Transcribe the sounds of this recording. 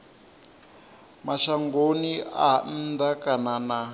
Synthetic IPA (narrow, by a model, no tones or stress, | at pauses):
maʃaŋɡonian̩d̪akanana